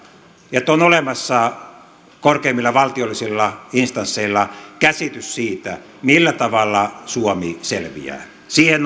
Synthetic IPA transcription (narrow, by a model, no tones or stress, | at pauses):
jet̪ːonolemɑsːɑ | korkeimːilːɑʋɑlt̪iolːisilːɑinst̪ɑnsːeilːɑkæsit̪yssiːt̪æ | milːæt̪ɑʋɑlːɑsuomiselʋḭæ̰ː | siːhen